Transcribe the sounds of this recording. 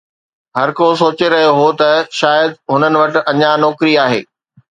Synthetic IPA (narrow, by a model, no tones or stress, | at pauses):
ɦɐɾkosoːt͡ɕeɾɐɦijoɦot̪ɐʃaːjəd̪ɦʊnənɪ̆ʋɐʈɪ̆ʔɐɲanɔːkɾiaːɦḛː